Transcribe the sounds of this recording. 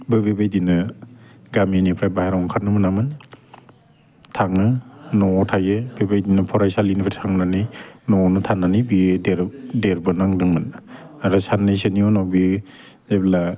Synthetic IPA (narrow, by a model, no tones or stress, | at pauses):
bɯbebajdinɯ | ɡaminipʰɾajbahaɾawŋkʰaɾnɯmɯnamɯn | tʰaŋɯnɔtʰajɯbebajdinɯpʰɔɾajsalinipʰɾtʰaŋnanijnɔnɯtʰanːanijbideɾdeɾbɯnaŋdɯŋmɯn | ɾasanːɯjsɯniɔnawbi | zabla